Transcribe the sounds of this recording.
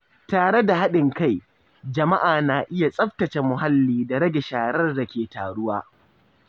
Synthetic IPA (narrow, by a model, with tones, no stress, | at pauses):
taː˨ɽe˦da˨ɦa˦ɗɪ˨ŋka˦˨j | d͡ʒɐ˨ma˦ʔaː˨naː˨ʔɪ˦ja˨sʼɐ˦ɸtɐ˨t͡ʃe˨mʊ˨ɦa˦lːiː˨da˨ɽɐ˦ɡʲe˨ʃaː˨ɽɐ˦rda˨kʲeː˨ta̰ː˨ɽʊ˦waː˦